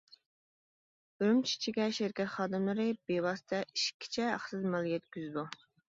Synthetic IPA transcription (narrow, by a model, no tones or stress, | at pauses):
bɾymt͡ʃʰi̥t͡ʃʰiɡʲɛʃɪɾkʲɛt̪χɑːd̪ɨmlˠɨɾɨbewɑːsɨ̥t̪ʰɛʔiʃkʲʰːi̥t͡ʃʰɛæ̰χsɨzmɛlˠjʲɛt̪̚kʲyzd̪u